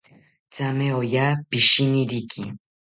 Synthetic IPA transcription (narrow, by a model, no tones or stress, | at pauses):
t͡sameojaːpɪʃinɪɾikʰɪ̰